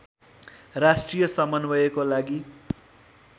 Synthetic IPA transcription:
rasʈrijʌsʌmʌnbʌjekolaɡi

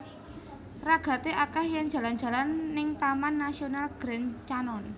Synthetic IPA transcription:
raɡ̥a̤t̪eʔakɛhjaŋd̥ʒ̥ä̤lan̥d͡ʒ̥ä̤lanːɪŋt̪amanːasionalɡ̥ɾɛnt͡ʃanɔn

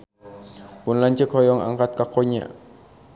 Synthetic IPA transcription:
pʊnlaɲt͡ʃəkhɔjɔŋa̰ŋkat̪̚kakoɲa̰ʔ

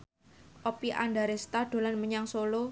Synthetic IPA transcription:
ʔopiʔa̰nɖaɾest̪ad̥o̤lanməɲaŋsolo

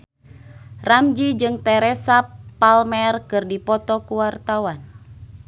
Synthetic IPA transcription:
ramd͡ʒid͡ʒɨŋt̪ɛɾɛsapːalmɛrkɨrdipɔt̪ɔkuwart̪awan

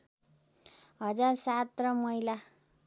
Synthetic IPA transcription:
ɦʌd͡zarsat̪rʌmʌjla

